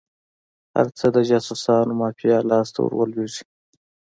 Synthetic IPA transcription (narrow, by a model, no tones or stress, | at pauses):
ha̰ɾt͡səd̪əd͡ʒasusɑnomɑːfijɑlɑːst̪a̰wə̰ɾwə̰lwezi̥